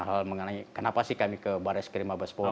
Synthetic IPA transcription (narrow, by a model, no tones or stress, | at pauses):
aɦalməŋənaŋikənapasɪhkamikəbaɾɛskəɾimabəsbo